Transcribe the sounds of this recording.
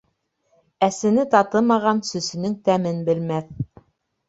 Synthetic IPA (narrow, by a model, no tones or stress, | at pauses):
æsɘ̆nɘt̪ɑt̪ɤmɑʁɑnsɵ̆sɘ̆nɘŋt̪æmɘnbɘ̆lmæθ